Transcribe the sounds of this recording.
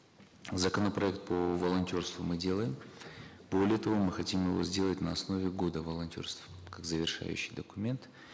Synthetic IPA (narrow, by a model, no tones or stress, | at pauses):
zəkənəpɾɐɛk̚t̪̚pəvəlˠɐnʲtʲo̞rst̪vʊmɨdʲe̞lˠəjɪm | bo̞lʲɪjət̪ɐvo̞mɨxɐtʲimjɪvo̞̰zʲdʲe̞lˠətʲnəɐsno̞vʲɪɡo̞d̪əvəlˠɐnʲtʲo̞̰rst̪fkakzəvʲɪrʂa̰jʉ̰ɕːɪjd̪əkʊmʲe̞nt̪